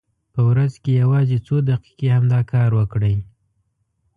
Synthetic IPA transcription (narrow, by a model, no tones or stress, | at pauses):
pəwɾazkejawɑzet͡sod̪aqi̥kehamd̪ɑkʰɑɾwəkɽəj